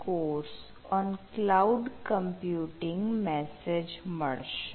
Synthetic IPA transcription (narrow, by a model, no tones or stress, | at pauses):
koːɾs | ɔ̃ːnklaʊɖkə̃mpjuːʈɪ̃ŋɡmɛsed͡ʒməɽʃ